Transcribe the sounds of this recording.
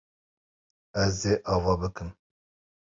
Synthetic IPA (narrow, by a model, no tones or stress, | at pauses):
ɛzd̪eːʔɑːvɑːbɨkɨm